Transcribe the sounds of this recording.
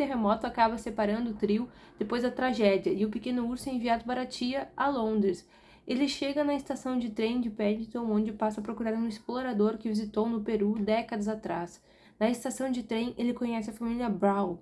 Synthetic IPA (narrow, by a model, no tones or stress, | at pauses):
t̪eɦemɔt̪ʊakabɐsepaɾɐ̃nd̪ʊʊt̪ɾiw | d̪̥epojzd̪ɐt̪ɾaʒɛd͡ʒiɐɪʊpekẽnʊuɾsʊẽj̃viad̪ʊpaɾat͡ʃiɐalõd̪ɾɪs | elɪʃeɡɐnɐest̪asɐ̃w̃d͡ʒɪt̪ɾẽj̃d͡ʒɪpɛɲit̪õw̃õd͡ʒɪpasɐɐpɾokuɾaɾũɪsploɾad̪oɾkɪvizit̪ownʊpeɾud̪ɛkɐd̪ɐzat̪ɾas | nɐest̪asɐ̃w̃d͡ʒɪt̪ɾẽj̃elɪkõɲɛsɪɐfamiliɐbɾaw